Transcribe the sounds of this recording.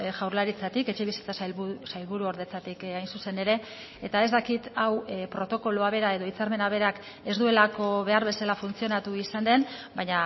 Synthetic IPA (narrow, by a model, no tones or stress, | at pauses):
ʝawɾlaɾit͡sat̪ike̞t͡ʃe̞βisi̥t͡sassajlβuɾuoɾðe̞t͡sat̪ikajnsuse̞ne̞ɾe̞ | et̪ae̞zd̪akit̪awpɾo̞t̪o̞ko̞luaβe̞ɾae̞ð̞o̞it͡saɾme̞naβ̞e̞ɾak | e̞zd̪ue̞lako̞βe̞aɾβe̞salafunt͡sio̞nat̪uisand̪e̞nbaɲa